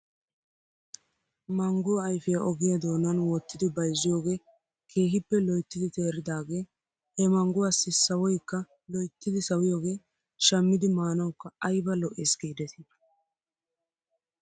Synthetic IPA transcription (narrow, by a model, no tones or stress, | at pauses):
mɐŋɡʊwːjfɪjɐʔɔɡɪjɐd̪o̞ːnɐnwɔt̪ːɪd̪ɪbɐjzːɪjo̞ːɡe̞ː | kʰe̞ːɦɪpːɛlɔjt̪ːɪd̪ɪt̪e̞ːɾɪd̪aːɡe̞ː | hɛmɐŋɡʊwaːsːɪsɐwɔjkːɐ | lɔjt̪ːɪd̪ɪsɐwɪjoːɡe̞ː | ʃɐmːɪd̪ɪmaːnɐwkːɐɐjbɐlɔʔeːsɡiːd̪ɛt̪ɪ